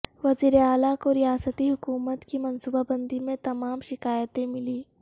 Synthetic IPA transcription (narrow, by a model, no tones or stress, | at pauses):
ʋɐziːɾeaːlakoɾɪjaːsət̪iɦʊkuːmət̪kimɐnsuːbabɐ̃nd̪ʱimẽt̪ɐmaːmʃɪkaːjət̪ẽmɪliː